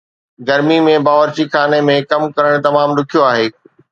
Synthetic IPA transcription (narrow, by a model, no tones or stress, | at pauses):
ɡɐɾmimẽbaːʋəɾt͡ɕixʰaːnemẽkɐmkɐɾəɽ̃t̪ɐmaːmɾʊkʰijoaːɦeː